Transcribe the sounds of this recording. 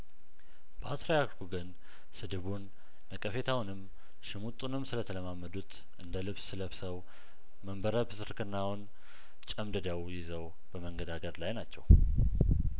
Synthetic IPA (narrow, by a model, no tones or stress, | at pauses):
b̥əat̪ɾajakɡuɡən | sɨd̪ɨβunː | əkʼəfe̞t̪ʰawnɨm | ʃɪmut̪ʼunɨmsɨlət̪ʰələmamːəd̪ut̪ | ʔɨnd̪əlɨβsːɨləβsəw | məmbəɾəbɨsɨɾkʰɨnːawn | t͡ʃʼəmd̪ɨd̪əwjɪzəw | b̥əməŋɡəd̪aɡəɾlajnat͡ʃːɛw